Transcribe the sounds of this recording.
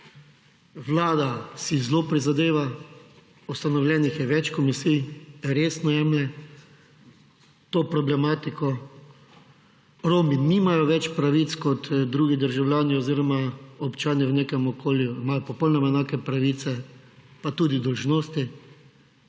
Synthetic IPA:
ʋlaːd̪asizloːpɾizad̪eːʋa | ust̪anɔwljɛːnixjɛʋɛt͡ʃkɔmisijjɛɾeːsnɔjɛmlɛ | t̪oːpɾɔblɛmaːt̪ikɔ | ɾoːminimajɔʋɛt͡ʃpɾaʋit̪skɔt̪d̪ɾuːɡid̪əɾʒawljaːniɔziːɾɔmaɔpt͡ʃaːnjɛwneːkɛmɔkʰoːljuimaːjɔpɔpɔwnɔmaɛnaːkɛpɾaʋiːt̪sɛ | pat̪uːd̪id̪ɔlʒnoːst̪i

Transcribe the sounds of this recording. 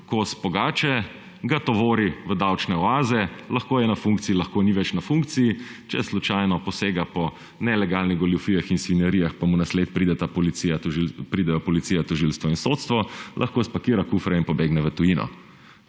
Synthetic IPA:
kosbɔɡaːt͡ʃɛ | ɡat̪ɔʋoːɾiʋəd̪awt͡ʃnɛɔaːzɛlɐxkoːjɛnafuŋkt̪siːilaxkoːniʋɛt͡ʃnafuŋk̚t̪sijit͡ʃɛslut͡ʃajnɔpɔseːɡapɔ | nɛlɛɡalniɣɡɔljufiːjaxinsʋinjɛɾijaxpamunasleːt̪̚pɾid̪ɛt̪apɔliijat̪ɔʒilpɾiːd̪ɛjɔpɔlit̪sijat̪ɔʒilst̪ʋɔinsot̪st̪ʋɔlʔaxkospakiːɾakufɾɛinpɔbeɡnɛʋət̪ujinɔ̰

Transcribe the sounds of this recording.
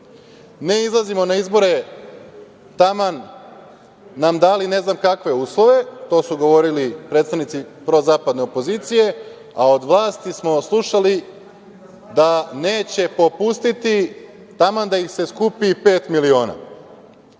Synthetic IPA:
ne̞izlˠazimo̞naizbo̞ɾe̞ | t̪aman | amd̪aːline̞znamkakʋe̞uːslˠo̞ʋe̞t̪o̞ːsuɡo̞ʋo̞ɾilipɾet̪st̪aʋnit̪sipɾo̞zaːpad̪ne̞o̞po̞zit̪sije̞ | ao̞d̪ʋlˠaːst̪ismo̞slˠuʃali | d̪ane̞ːt͡ɕe̞po̞pust̪it̪i | t̪amand̪aixse̞skupipe̞ːt̪milio̞ːna̰

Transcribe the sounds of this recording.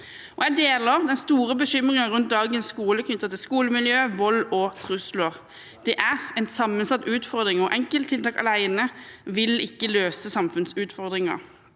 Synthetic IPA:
ɔæɪd̪eːləʁd̪ɛnst̪uːʁəbəɕʏmʁɪŋɑʁʉnt̪̚d̪ɑːɡənsskuːləkʰnʏt̪ːət̪ɪlskuːləmɪljøːʋɔlɔt̪ʰʁʉslʊʁ | d̪̥ɛʔæʁɛnsɑmːənsɑt̪ːʉːt̪fɔʁd̪ʁɪŋɔʔɛŋkəlt̪ʰːɪlt̪ɑːkɑ̰læɪnəʋɪlɪkːəløːsəsɑmfʉnsʉːt̪fɔʁd̪ʁɪŋɑ̰

